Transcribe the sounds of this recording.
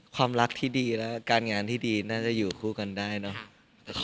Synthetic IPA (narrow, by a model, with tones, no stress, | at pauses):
kʰwaː˧mɾa˦˥k̚t̪ʰiː˥˩diː˧lɛː˦˥kaː˧nŋaː˧nt̪ʰiː˥˩diː˧naː˥˩t͡ɕa˨˩ʔjuː˨˩kʰuː˥˩ka˧ndaː˥˩jnɔ˦˥